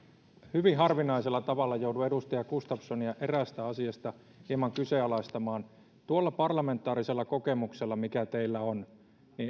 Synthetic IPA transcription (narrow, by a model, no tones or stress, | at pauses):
hyʋiɦɑrʋinˑɑiselːɑt̪ɑʋɑlːɑjouduedust̪ɑjɑkust̪ɑpsoniɑʔeræst̪æɑsiɑst̪ɑ | hiɑmɑŋkyseɑlɑist̪ɑmɑːn | t̪uolːɑpɑrlɑme̞nt̪ːˑɑːɾiselːɑkokemukselːɑmikæt̪eilːæon | niː